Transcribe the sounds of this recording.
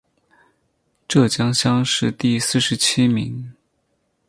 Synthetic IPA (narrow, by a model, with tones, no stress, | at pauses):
ʈ͡ʂɤ˥˩t͡ɕjɑ˥ŋɕjɑ˥ŋʂɻ̩˥˧t̪i˥˧sɹ̩˥˩ʂɻ̩˧˥t͡ɕʰi˥mḭ˧˥ŋ